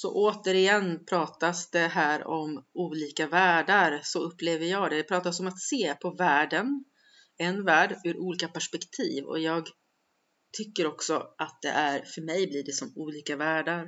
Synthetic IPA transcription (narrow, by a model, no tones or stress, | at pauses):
sɔ̰ʔoːt̪əɾɪjɛnːpʰɾɑːt̪asd̪ɛɦæːɾɔmuːliːkavæːɖaɾsɔɵpːleːvəɾjɑːɡd̪ɛd̪ɛpʰɾɑːt̪asɔmat̪seːpʰɔvæːɖən | ɛnvæːɖʉ̟ːɾʔuːliːkapæʂpɛkt̪ʰiːvɔ̰jɑːɡ | t̪ʰʏkːəɾɔksɔʔat̪̚d̪ɛ̰ʔæɾfœɾmɛjbliːɖɛsɔmuːliːkavæːɖaɾ